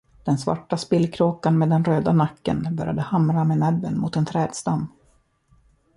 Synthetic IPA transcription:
d̪̥ɛnsva̰ʈːaspɪlːkʰɾoːkanmeːd̪ːɛnɾøːd̪anakːə̰nbœɾja̰d̪əhamɾamenɛbːənmʊ̰ːt̪ɛnt̪ʰɾɛːd̪st̪amː

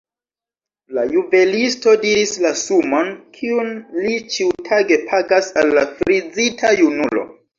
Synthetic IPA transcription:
lajube̞listo̞diɾislasumo̞nkʰiunlit͡ʃiutʰaɡe̞pʰaɡasalːafɾid͡zitʰajunulo̞̰

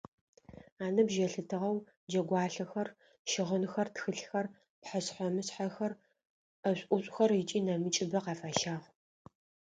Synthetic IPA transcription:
aːnɐbʒɐɬɨtʰɨʁɐw | d͡ʒɐɡʷɑːɬɐxɐr | ʃɪʁənxɐrtxɨɬxɐr | pħasħʷɔmɨsħaxɐr | ɐɕʷʼʔʷʊɕʷʼxɐrɪt͡ʃʼiːnɐmɨt͡ʃʼɪbɐqɑːfaːʃaːʁ

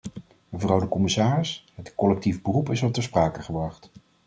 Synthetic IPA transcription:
məvrɑwdəkɔmɪsaːrɪsɦətkɔlɛk̚tivbərupɪsɔp̚təspraːkəχəbrɑχt

